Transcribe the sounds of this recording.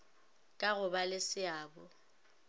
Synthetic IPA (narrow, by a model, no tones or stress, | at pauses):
kʼaɣʊbalɪsɪaːbɔ